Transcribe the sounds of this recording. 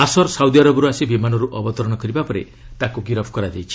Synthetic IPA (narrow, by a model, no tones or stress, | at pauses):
asɔɾsawd̪iaɾɔbɔɾuasibimanɔɾuʔɔbɔt̪ɔɾɔɽ̃ɔkɔɾibapɔɾe | t̪akuɡiɾɔbʰʱɔkɔɾad͡ʒajt͡ʃʰi̥